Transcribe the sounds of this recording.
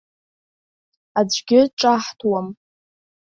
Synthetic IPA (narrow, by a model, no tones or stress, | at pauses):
ad͡ʒʷɡʲɪʈ͡ʂʼaħtʰwam